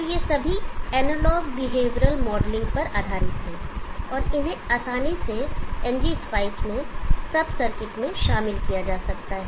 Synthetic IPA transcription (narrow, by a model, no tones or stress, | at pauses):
ɔɾjesɐbʱiɛːnəlɔːɡbɪɦeːʋɾəlmɔːɖlɪ̃ŋɡpɐɾaːd̪ʱaːɾɪt̪ɦɛ̃ːɔːɾɪnẽaːsaːniseɛ̃nd͡ʒisfʰaːɪsmẽsɐbʱsɐɾkɪʈmẽʃaːmɪlkijad͡ʒaːsɐkt̪aɦɛː